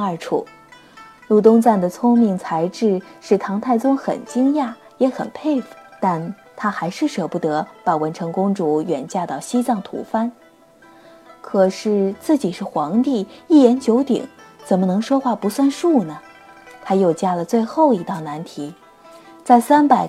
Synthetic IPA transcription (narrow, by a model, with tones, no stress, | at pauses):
ə˞˥˧˩ʈ͡ʂʰṵ˥˩ | lu˥˩t̪̬ʊ˥ŋt͡sa˥˩nd̪ə˩t͡sʰʊ˥ŋmi˧˥˩ŋt͡sʰa˧˥ɪʈ͡ʂɻ̩˥˧ʂɻ̩˥˩t̪ʰɑ˧˥ŋt̪ʰa˥˩ɪt͡sʊ˥ŋxə̰˨˩nt͡ɕi˥ŋja˥˩ | jɛ˧˥xə̰˨˩npʰe˥˩ɪft̪a˥˩n | t̪ʰa˥xa˧˥ɪʂɻ̩˥˩ʂɤ˧˩pu˥˩t̪ɤ˧˥pa˨˩wə˧˥nʈ͡ʂʰɤ˧˥ŋkʊ˥ŋʈ͡ʂu˧˥ɥɛ˨˩nt͡ɕja˥˧t̪ɑ˥˩ʊɕi˥t͡sɑ˥˩ŋt̪ʰṵ˧˥fa˥n | kʰɤ˨˩ʂɻ̩˥˩t͡sɹ̩˥˩t͡ɕi˨˩ʂɻ̩˥˩xwɑ˧˥ŋt̪i˥˩i˥˩jɛ˧˥nt͡ɕjo˧˥ʊt̪ḭ˨˩˦ŋt͡sə˨˩nmə˧˦nɤ˧˥ŋʂwɔ˥xwa˥˩pu˧˥swa˥˧nʂu˥˩nə˩ | t̪ʰa˥jo˥˩ʊt͡ɕja˥˩lə˩t͡swe˥˧ɪxo˥˩ʊi˧˥t̪ɑ˥˩ʊna˧˥nt̪ʰi˧˥ | t͡sa˥˩ɪsa˥npa˨˧˩ɪ